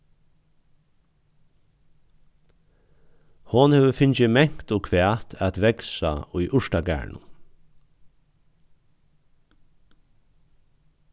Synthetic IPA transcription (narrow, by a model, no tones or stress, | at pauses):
hʊnheːʋəfɪnt͡ʃɪmɛŋ̥t̪ɔkʰʋæːt̪ʰæt̪ʋɛksa̰ʊjʔʊʂʈaɡæ̰ːɹɳʊ̰n